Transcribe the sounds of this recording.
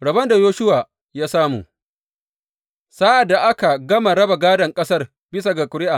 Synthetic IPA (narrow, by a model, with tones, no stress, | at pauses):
ɽɐ˨bɐ˦nda˨joː˦ʃʊ˦waː˨ | jaː˦saː˦mṵː˨ | saː˦ʔa˨dːa˨ʔa˦ka˨ɡɐ˦ma˨ɽɐ˦ba˨ɡaː˦dɐ˨ŋkʼɐ˦sɐ˦r | bɪ˦s̬a˨ɡa˨kʷʊ˨ɾɪ˦ʔa˨